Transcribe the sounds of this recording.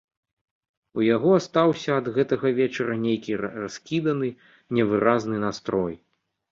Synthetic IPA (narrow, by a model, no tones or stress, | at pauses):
ujaɣɔast̪awsʲɐːd̪ɣɛt̪ɐɣɐvʲɛt͡ʂɐɾɐnʲejkʲiraskʲid̪ɐnɨ | nʲɛvɨɾʔaznɨnast̪ɾɔj